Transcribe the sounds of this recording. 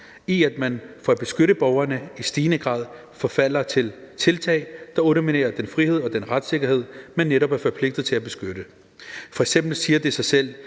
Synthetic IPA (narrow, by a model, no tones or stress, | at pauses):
iæd̥mænfɒæb̥e̝sɡ̥øɾəb̥ɒʊɐnəisd̥iːnəɡ̥ʁɑ̰̈ːð̰ˠ | fɒ̽fæl̰ɐt͡sʰe̝lt͡sʰe̝lt͡sʰɛ̰ɪd̥ɑ̈oɾominḛːɐd̥enfʁihe̝ð̞̰ˠɒ̽d̥enʁad̥se̝ɡ̥ɐhe̝ð̞̰ˠmenːeɾɒ̽b̥æɐfɒ̽pʰle̝ɡ̥d̥ð̩ˠt͡sʰe̝æb̥e̝sɡ̥øɾ̥ə | fɒ̽eɡ̥sem̰b̥l̩siːɐd̥e̝sɑ̈ɪsel̰